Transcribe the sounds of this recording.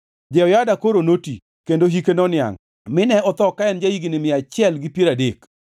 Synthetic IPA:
d͡ʒɛɔjadakoɾonoti | kendoɦikenɔnɪa̰ŋ | mɪnɛɔt̪ɔkaɛnd͡ʒaiɡinɪmɪat͡ʃɪɛlɡɪpjeɾadek

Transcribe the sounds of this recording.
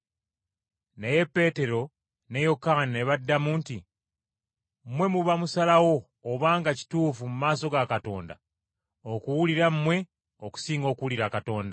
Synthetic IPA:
neje̞pːe̞ːte̞ɾo̞ | ne̞jo̞kanineβadːamuːnti | mwe̞muβamusalawo̞ː | βaːŋɡaci̥tuːfumumaːso̞ɡakato̞̰ːnda̰ | okuwuliɾamːwe̞ | oku̥siːŋɡo̞ːkuwuliɾakato̞ːnda

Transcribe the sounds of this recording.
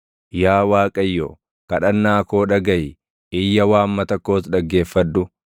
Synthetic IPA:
jaːwaːkʼɐjːo̰ː | kɐᶑɐnːaːko̞ːᶑɐɡɐj | ɪjːɐwaːmːɐt̪ɐkːo̞ːsᶑɐɡːe̞ːfːɐd̪ːʊ

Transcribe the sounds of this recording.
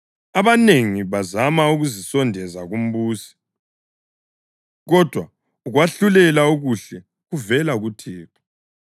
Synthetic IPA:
aβaneŋiβazamauɣuzisɔndʱɛzaɣum̩βuːsi̥ | ɣɔd̥ʱwa | uɣwaɬulɛlauɣuɬɛ | ɣuvɛlaɣutʰiːtʰḁ

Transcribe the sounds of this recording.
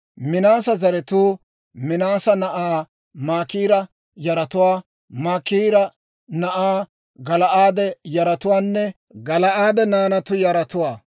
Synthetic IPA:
mɪnaːsɐzɐɾɛt̪uː | mɪnaːsɐnɐʔaː | maːkiːɾɐ | jɐɾɐt̪ʊwaː | maːkiːɾɐ | nɐʔaː | ɡɐlɐʔaːd̪ɛjɐɾɐt̪ʊwaːnːɛ | ɡɐlɐʔaːd̪ɛnaːnɐt̪ʊjɐɾɐt̪ʊwaː

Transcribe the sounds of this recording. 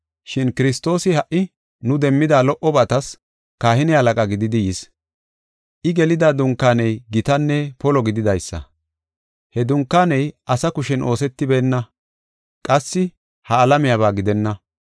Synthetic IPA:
ʃɪnkɪɾɪst̪o̞ːsɪhɐʔːɪ | nʊd̪ɛmːɪd̪aːlɔʔɔbɐt̪ɐs | kaːhɪnɪhɐlɐkʼɐɡɪd̪ɪd̪ɪjɪs | ʔɪɡɛlɪd̪aːd̪ʊŋkːaːnɛjɡɪt̪ɐnːɛpɔlɔɡɪd̪ɪd̪ɐjsːɐ̰ | hɛd̪ʊŋkːaːnɛjʔɐsɐkʊʃɛnʔo̞ːsɛt̪ːɪbeːnːɐ | kʼɐsːɪ | hɐːlɐmɪjaβaːɡɪd̪ɛnːɐ

